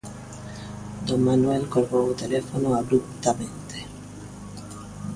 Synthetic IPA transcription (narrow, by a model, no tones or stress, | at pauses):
d̪oŋmanwelkoɾɣout̪elefonoaβɾup̚t̪amẽnt̪e̥